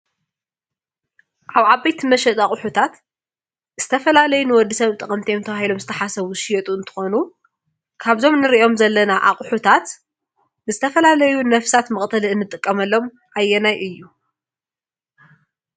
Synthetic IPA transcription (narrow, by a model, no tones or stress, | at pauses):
ʔaβʕabajt̪ʰimɐʃɛt̪ʼaχʼʊħut̪ʰat̪ | z̥ɨ̥t̪ʰɐfɐlalɐjunɨwɔd̪ːisɐβt̪ʼɨχʼɐmt̪ʰijemt̪ʰɐβahilo̞mzɨt̪ʰɐħasɐβuʃɪjɛt̪ʼuɨnt̪ʰɨ̥xonu | kʰaβzo̞mnɨɾiʔo̞mzɐlːɐnaʔa̰χʼħut̪ʰat̪ | nɨzɨt̪ʰɐfɐlalɐjunɐfsat̪mɨχʼt̪ʰɐlɨnːɨt̪ʼɨkʼːɐmɐlːo̞m | ʔajːɛnajʔɨjːu